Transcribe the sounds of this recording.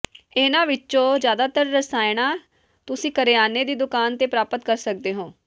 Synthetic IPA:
ɪnãːʋɪt͡ʃõːd͡ʒjaːd̪aːt̪əɾːəsaːɪnaː | t̪ʊsĩːkəɾeːaːneːd̪iːd̪ʊkaːnt̪eːpɾaːpət̪kəɾsək̚d̪eːɦõː

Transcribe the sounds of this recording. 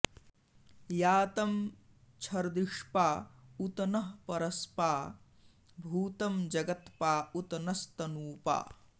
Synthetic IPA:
jaːt̪ɐm | t͡ʃʰɐɾd̪iʂpaːut̪ɐnɐɦpɐɾɐspaː | bʱuːt̪ɐmd͡ʒɐɡɐt̪paːut̪ɐnɐst̪ɐnuːpa̰ː

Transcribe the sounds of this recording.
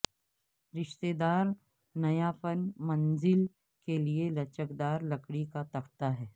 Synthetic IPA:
ɾɪʃt̪eːd̪aːɾ | nɐjapənmɐ̃nzɪl | kelielɐt͡ʃəkd̪aːɾlɐkɽikat̪ɐkʰt̪aɦɛː

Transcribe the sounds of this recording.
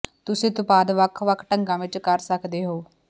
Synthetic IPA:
t̪ʊsĩːt̪ʊpaːd̪ʋəkʰʋəkʰːʈəŋɡãːʋɪt͡ʃkəɾsəkʰd̪eːɦoː

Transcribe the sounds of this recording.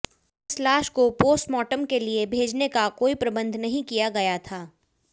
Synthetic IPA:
ɪslaːʃkopoːsʈmɔːʈəmkeliebʱeːd͡ʒnekakoːipɾɐbə̃nd̪ʱnɐɦĩkijaɡɐjat̪ʰaː

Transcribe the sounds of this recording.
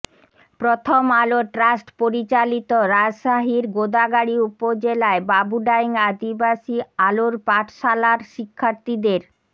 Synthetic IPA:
pɾot̪ʰomaloʈɾasʈpoɾit͡ɕalit̪oɾad͡ʑʃaɦiɾɡod̪aɡaɽiupod͡ʑelaebabuɖaiŋad̪ibaʃialoɾpaʈʰʃalaɾʃikʰːaɾt̪id̪eɾ

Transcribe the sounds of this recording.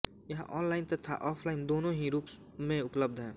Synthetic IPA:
jɐɦã̰ʔɔːnlaːɪnt̪ɐt̪ʰːa̰ʔɔːpʰlaːɪnd̪oːnõɦiɾuːps | mẽʊpləb̚d̪ɦɛ̃ː

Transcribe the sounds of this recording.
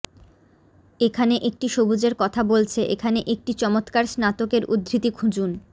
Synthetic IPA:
ekʰaneʔek̚ʈiʃobud͡ʑeɾkɔt̪ʰabolt͡ɕʰeʔekʰaneʔek̚ʈit͡ɕɔmot̪kaɾsnat̪okeɾṵd̪ʱːɾit̪ikʰud͡ʑun

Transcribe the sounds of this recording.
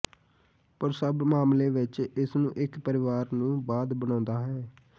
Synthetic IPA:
pəɾsəbmaːmleːʋɪt͡ʃɪsnũːʔɪkpəɾɪʋaːɾnũːbaːd̪bənãːnd̪aːɦɛː

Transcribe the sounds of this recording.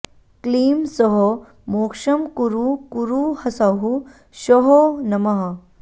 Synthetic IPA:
kliːmsɔɦɔ | moːkʂɐmkuɾukuɾuhɐsaːɦu | ʃɔɦonɐmɐɦɐ

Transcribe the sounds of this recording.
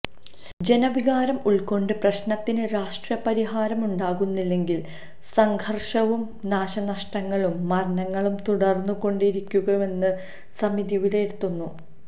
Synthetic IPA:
d͡ʑe̞nɐbʱiɣaːɾɐmuɭko̞ɳɖɨprɐɕnɐt̪ːinɨɾaːʂʈrɐpɐɾiɦaːɾɐmuɳɖaːɣunːilːe̞ŋɡil | sɐŋɡʰʱɐrʂɐʋum | naːɕɐnɐʂʈɐŋːɐɭumːɐrɐnɐŋːɐɭumt̪uɽɐrnːuɣo̞ɳɖiɾikʲːuɣɐʋe̞nːɨ | sɐmid̪iʋileiɾt̪ːunːu

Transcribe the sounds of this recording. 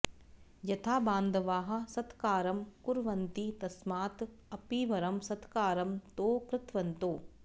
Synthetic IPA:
jɐt̪ʰaːbaːnd̪ʱɐʋaːɦɐ̆sɐt̪kaːɾɐmkuɾʋɐnt̪it̪ɐsmaːt̪ | ɐpiʋɐɾɐmsɐt̪kaːɾɐmt̪oːkɾɪt̪ʋɐnt̪oː

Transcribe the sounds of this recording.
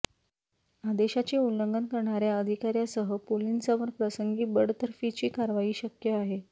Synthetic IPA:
ad̪eɕat͡ɕeuləŋɡənkəɾɳaɾjaəd̪ʱikaɾjasəɦəpolinsaʋəɾpɾəsəŋɡiːbəɽt̪əɾfit͡ɕiːkaɾʋajiːɕəkjəaɦe

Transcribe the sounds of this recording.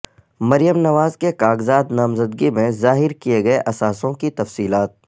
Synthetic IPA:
mɐɾijəmnɐʋaːzkekaːɡzaːd̪naːmzəd̪ɡimẽzaːɦɪɾkieɡɐeʔɐsaːsõkit̪ɐfsiːlaːt̪̚

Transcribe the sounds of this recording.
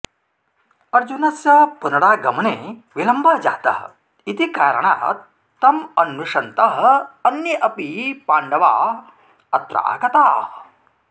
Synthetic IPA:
ɐɾd͡ʒunɐsjɐpunɐɽaːɡɐmɐneʋilɐmbɐɦd͡ʒa̰ːt̪ɐ̰ɦ | it̪ikaːɾɐ̰ɽ̃a̰ɦ | t̪ɐmɐnːuʂɐnt̪ɐɦɐnːiʔɐpipaːɳɖɐʋa̰ː | ɐt̪ɾa̰ːɡɐt̪aːh

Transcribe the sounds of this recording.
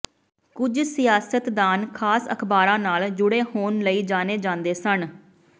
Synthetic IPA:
kʊd͡ʒsɪjaːsət̪d̪aːnkʰaːsəkʰbaːɾãːnaːld͡ʒʊɽeːhoːnləiːd͡ʒaːneːd͡ʒãːnd̪eːsən

